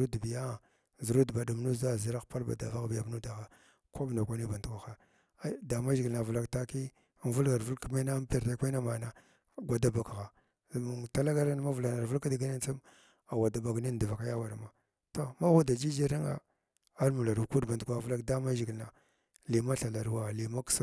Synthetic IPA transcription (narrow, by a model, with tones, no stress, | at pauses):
u˦dbi˨ja˦˨ | zi˨ɾu˦dba˨du˨m˦nu˦za˦˨zi˦ɾa˦xpa˦lba̰˨da˨va˦ɣbi˨ja˨m˦nu˦da˨ɣa˨ | ka˦bno˨kʷa˦ni˦ba˨ntkʷa˨xa˦ | da˨ma˦ʒi˨ɡi˨lna˨vu˨la˨kta˦ki˦˨ | n˨vu˦lɡa˨ɾvu˦lki˨ma˦na˦m˦pe˨ɾta˦kʷa˦na˦ma˨na˨ | ɡʷa˨da˦ba˨kɣa˨ | u˨ta˦la˦ɡa˦ɾa˦n˦ma˦vu˨la˨na˨ɾvu˦lka˦di˨ɡa˦ni˦n˦t͡si˦m | a˨wa˨da˨ba˨ɡni˦n˨di˨va˨ka˦ja˦wa˨ɾma˨ | to˦ma˦wu˦da˨d͡ʒi˦d͡ʒi˦ɾi˦ŋa̰˨ | a˦ɾmu˨la˨ɾu˨ku˦dba˨ntkʷa˨vu˦la˦kda˦ma˦ʒi˨ɡi˨lna˨ | li˨ma˦ɬa˨la˨ɾwa˨li˨ma˦ks